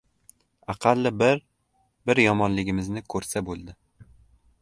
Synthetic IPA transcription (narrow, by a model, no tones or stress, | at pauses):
ɑqʰɑlːɪbɾ | bɪɾjɒmɒnlɪɡʲɪmɪznɪkʰɵɾsabolˠd̪ɪ